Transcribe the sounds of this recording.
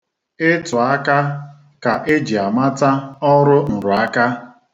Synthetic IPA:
ɪ˦tʊ˨a˦ka˦ | ka˨ʔe˦d͡ʒi˨a˨ma˦ta˦ɔ˦ɾʊ˦n̩˨ɾʊ˨a˦ka˦

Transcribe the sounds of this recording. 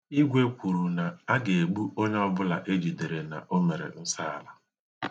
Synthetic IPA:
i˦ɡʷe˦kʷu˨ɾu˨na˨a˦ɡe˨e˨ɡ͡bu˦ʔo˦ɲ˦ɔ˦bʊ˦la˨ʔe˦d͡ʒi˨de˨ɾe˨na̰˨ʔo˦me˨ɾḛ˨n̩˦sa˦a̰˨la˨

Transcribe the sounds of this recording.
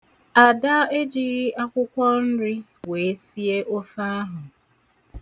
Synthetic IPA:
a˨da˦e˦d͡ʒi˨ɣɪ˦a˦kʷʊ˦kʷɔ˦n̩˦ɾi˦ | we˨e˦si˦e˦ʔo˦fa˦a˦ɦʊ˨

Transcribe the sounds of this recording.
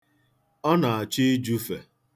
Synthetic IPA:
ɔ˦na˨a˨t͡ʃi˦d͡ʒu˦fe˨

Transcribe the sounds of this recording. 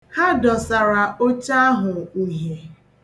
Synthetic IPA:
ha˦dɔ˨sa˨ɾa˨o˦t͡ʃa˦a˦ɦʊ˨u˨ɦe˨

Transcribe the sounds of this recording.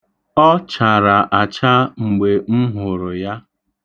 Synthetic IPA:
ɔ˦t͡ʃa˨ɾa˨ʔa˨t͡ʃa˦ŋ͡m̩˨ɡ͡be˨ŋ͡m̩˦ɦʊ˨ɾʊ˨ja˦

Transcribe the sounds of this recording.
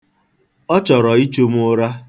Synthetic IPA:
ɔ˦t͡ʃɔ˨ɾɔ˨i˦t͡ʃo˦m˦ʊ˦ɾa˦

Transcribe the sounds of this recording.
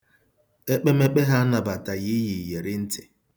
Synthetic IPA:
e˦k͡pe˦me˦k͡pe˦ɦa˦na˨ba˨ta˨ɣi˦ji˨je˨ɾɪ˦n̩˦tɪ˨

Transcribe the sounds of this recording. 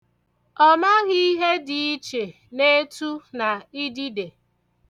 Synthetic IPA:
ɔ˦ma˦ɣɪ˦i˦ɦe˦di˨i˦t͡ʃe˨ | ne˦tu˦na˨i˦di˦de˨

